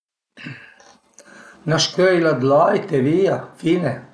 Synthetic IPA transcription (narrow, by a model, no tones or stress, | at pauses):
naʃkøilad̪lɑːjt̪ɛʋijafinɛ